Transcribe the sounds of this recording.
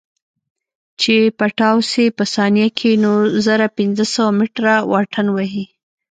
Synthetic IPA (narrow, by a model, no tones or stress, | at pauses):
t͡ʃepaʈɑwsepəsɑnjakʰenozaɾapɪnzəsəwamɪʈɾawɑʈʰənwaɦi